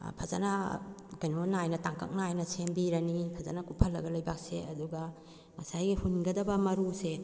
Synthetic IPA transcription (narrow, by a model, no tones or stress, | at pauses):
pʰɐza̰nɐkɐjnonajnɐtaŋkɐ̰k̚najnɐsembiɾɐnipʰɐza̰nɐkupʰɐlːɐɡɐlɐjbak̚seɐduɡɐ | ŋɐsajɡihunɡɐdɐbɐmɐɾuse